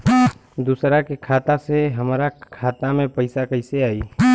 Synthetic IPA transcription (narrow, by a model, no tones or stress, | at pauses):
d̪usɾakekʰaːt̪aseɦəmɾakʰaːt̪amẽpəɪsakəɪseaːiː